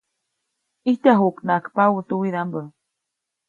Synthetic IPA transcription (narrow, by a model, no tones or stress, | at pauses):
iht̪aɦuknakpawut̪uwiðambə